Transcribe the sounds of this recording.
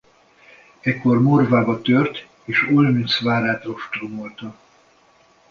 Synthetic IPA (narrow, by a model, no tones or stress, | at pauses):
ɛkːo̞rmorvaːbɒt̪ørt̪ | eːʃolmysvaːɾaːt̪ro̞ʃt̪romolt̪ɒ